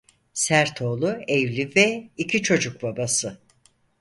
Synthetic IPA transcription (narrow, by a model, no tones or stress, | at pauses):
sæɾt̪ʰo̞ːlˠuɛvlʲivɛicʰit͡ʃʰo̞d͡ʒuk̚babasɯ